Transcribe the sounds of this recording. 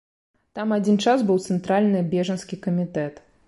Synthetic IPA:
t̪amad͡zʲint͡ʂasbɨwt̪sɛnt̪ɾalʲnɨbʲɛʐɐnskʲikɐmʲit̪ɛt̪

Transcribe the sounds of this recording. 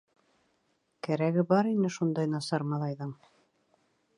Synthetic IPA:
kæɾæɡɘbɑɾinɘʃund̪ɑjnɑsɑɾmɑlˠɑjðɤɴ

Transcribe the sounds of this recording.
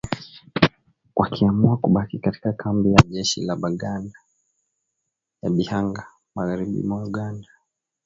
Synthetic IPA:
wʔakʰiamuakuɓakikati̥kakʰambijaʄɛʃḭlaɓaɠana | jaɓihaŋɡa | maɣaɾiɓḭmwauɡanda

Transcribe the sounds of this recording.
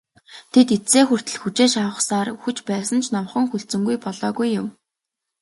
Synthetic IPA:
t̪ʰet̪et͡seːxɵr̥t̪ɘ̆ɮxut͡ɕeːʃawə̆χsaːruxɘ̆t͡ɕpæːsə̆nt͡ɕʰnɔmχə̆ŋxuɬt͡sɵ̆ŋɡujpɔɮɔːɣujːʊm

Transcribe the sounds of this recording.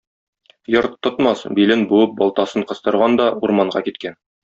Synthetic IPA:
jɤɾt̪ʰːŏt̪mɑsbilɘnbuɤp̚bɒlˠt̪ɑsɤɴqɤ̆st̪ɤ̆ɾʁɑnd̪ɒuɾmɑɴɢɑ̰kit̪kæn

